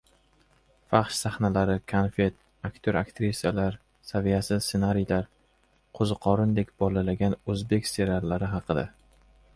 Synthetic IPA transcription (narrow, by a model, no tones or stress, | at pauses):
fɑχʃsaχnalaɾɪkʰanfe̞t̪̚ | akʲt̪ʰoɾakt̪ɾisijalaɾ | savijasɪzsenaɾijlaɾ | qʰozɨqʰɒɾɪnd̪e̞kʲb̥ɒlalaɡʲanɵzbe̞kʲst̪e̞ɾalːaɾɪɦɑqʰɨd̪a̰